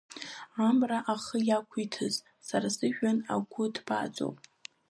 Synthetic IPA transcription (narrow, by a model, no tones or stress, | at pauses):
amraʔaχəjakʷʰitʰɨz | saɾasɨʒᶣana̰ɡʷʊdba̰t͡sʷʼo̰wpʼ